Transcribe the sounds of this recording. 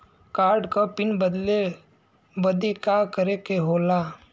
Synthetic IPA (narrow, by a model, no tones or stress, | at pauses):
kaːɾɖkapɪnbəd̪le | bəd̪ekakəɾekeɦoːla